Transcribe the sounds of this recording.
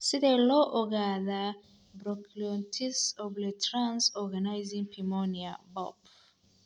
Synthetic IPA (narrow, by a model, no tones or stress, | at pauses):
sidelɔʔɔɡaða | bɾɔkʰliɔ̃ntʰisɔblɛtʰɹãnsɔɡanajzĩŋpʰimɔniabɔ̰p